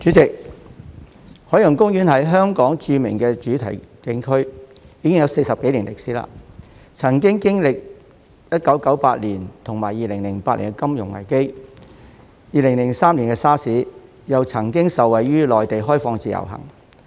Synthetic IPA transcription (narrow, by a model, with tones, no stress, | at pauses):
t͡ʃyː˨˥t͡sɪ˨k̚ | hɔː˨˥jɐ˨˩ŋkʊ˥ŋjyː˨˥nhɐ˨˥jɦœː˥ŋkɔː˨˥ŋt͡syː˧mɪ̰˨˩ŋkɛː˧t͡ʃyː˨˥t̪ʰɐ˨˩jkɪ˨˥ŋkʰɵ˥ɥjiː˨˧kɪ˥ŋjɐ˨˧wse˧jsɐ˨p̚ke˨˥jliː˨˩nlɪ˨k̚siː˨˥la̰ː˧t͡sʰɐ˨˩ŋkɪ˥ŋkɪ˥ŋlɪ˨k̚ | jɐ˥t̚kɐ˨˥wkɐ˨˥wpaː˧t̚liː˨˩nt̪ʰʊ˨˩ŋmaː˨˩jːiː˨˩lɪ˨˩ŋlɪ˨˩ŋpaː˧t̚liː˨˩kɛ˥kɐ˥mjʊ˨˩ŋlɐ̰˨˩jke˥j | jiː˨lɪ˨˩ŋlɪ˨˩ŋsaː˥mliː˨˩nkɛ˧saː˥siː˨˥ | jɐ˨wt͡sʰɐ˨˩ŋkɪ˥ŋsɐ˨wɐ˨˩jːyː˥lɔː˨jt̪e˨jɦɔː˥jfɔː˧ŋt͡siː˨jɐ̰˨˩wɦɐ̰˨˩ŋ